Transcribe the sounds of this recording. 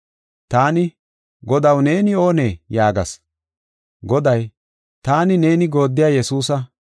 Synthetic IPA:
t̪aːnɪ | ɡɔd̪ɐwne̞ːnɪo̞ːne̞ːjaːɡɐ̰s | ɡɔd̪ɐj | t̪aːnɪne̞ːnɪɡo̞ːd̪ːɪjaːjɛsuːsɐ

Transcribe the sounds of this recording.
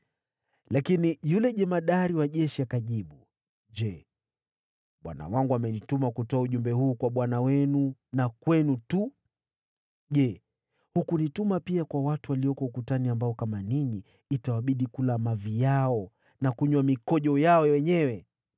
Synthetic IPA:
lakinijulɛʄɛmaɗaɾiwaʄɛʃiakaʄiɓu | ʄɛ | ɓwa̰na̰waŋɡuamɛnitumakutɔauʄumbɛhuːkwaɓwanawɛnunakwɛnutu | ʄɛ | hukunitumapiakwawatuwaliɔkɔukutaniambaɔkamaniɲiː | tawaɓiɗikulamavijaɔ | nakuɲwamikɔʄɔjaɔwɛɲɛwɛ

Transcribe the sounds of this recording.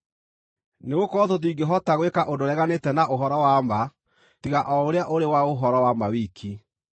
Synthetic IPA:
neɣokɔðotiɡeɦɔtaɣwekaʔodoɾɛɣanetɛnaʔoɦɔɾɔwama | tiɣaʔɔoɾeaʔoɾewaoɦɔɾɔwamawiːkʰi

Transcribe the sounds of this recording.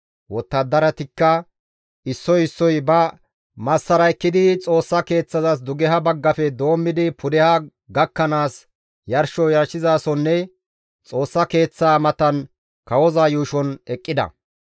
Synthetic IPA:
wɔt̪ːɐd̪ːɐɾɐt̪ɪkːɐ | ɪsːɔjɪsːɔjbɐ | mɐsːɐɾɐkːɪd̪ɪt͡sʼo̞ːsːɐke̞ːt͡sːɐzɐs̬d̪ʊɡɛɦɐbɐɡːɐfɛd̪o̞ːmːɪd̪ɪpʰʊd̪ɛha | ɡɐkːɐnaːs | jɐɾʃɔjɐɾʃɪzaːsɔnːɛ | t͡sʼo̞ːsːɐke̞ːt͡sːaːmɐt̪ɐn | kɐwɔzaːjuːʃɔnɛkʼːɪd̪ɐ̰

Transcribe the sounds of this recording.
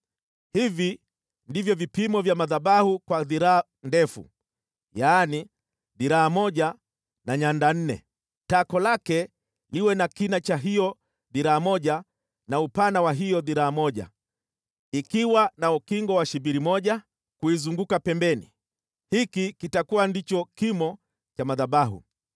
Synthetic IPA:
hivi | ndivjɔvipimɔvjamaðaɓahukwaðiɾaa | ndɛfṵ | jaːni | ðiɾaːmɔʄa | naɲandan̩nɛ̰ | takɔlakɛ | liwɛnakinat͡ʃaɦijɔ | ðiɾaːmɔʄa | naupanawaɦijɔðiɾaːmɔʄa̰ | ikiwanaukiŋɡɔwaʃibiɾimɔʄa | kuizuŋɡukapɛmbɛnḭ | hikikitakuwandit͡ʃɔkimɔ | t͡ʃamaðaɓaɦṵ

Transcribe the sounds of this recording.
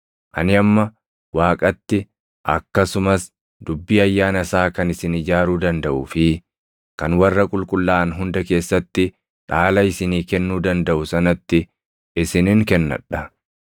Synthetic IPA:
ʔɐnɪɐmːɐ | waːkʼɐt̪ːɪ | ʔɐ̰kːɐsʊmɐs | d̪̥ʊbːiːɐjːaːnɐsaːkɐnɪsɪnɪd͡ʒaːɾuːd̪ɐnd̪ɐʔʊːfɪ | kɐnwɐrːɐkʼʊlkʼʊlːaːnɦʊnd̪ɐke̞ːsːɐt̪ːɪ | ᶑaːlɐɪsɪniːkɛnːuːd̪ɐnd̪ɐʔʊsɐnɐt̪ːɪ | ɪsɪnɪŋkɛnːɐ̰ᶑːɐ

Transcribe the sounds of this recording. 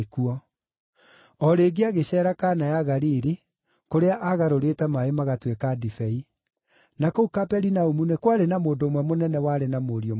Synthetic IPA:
kuɔ | ɔɾeːɡeaɣeɕɛːɾakanajaɣaɾiːɾi | koɾeaʔaɣaɾoɾetɛmaemaɣatwekadifɛi | nakoukapɛɾinaomunekwaɾenamoːndoːmwɛmonɛnɛwaɾenamoɾiɔ

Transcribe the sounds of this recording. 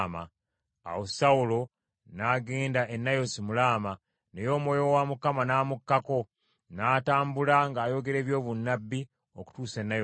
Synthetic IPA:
ma̰ | a̰wosaulo̞ | naɡeːndaʔenːajo̞simulaːma | nejo̞ːmwo̞ːjo̞wamukamanaːmukːako̞ | naːtaːmbulaŋɡaːjo̞ɡe̞ɾe̞ːβjo̞ːβunːabːi | oku̥tuːse̞nːajo

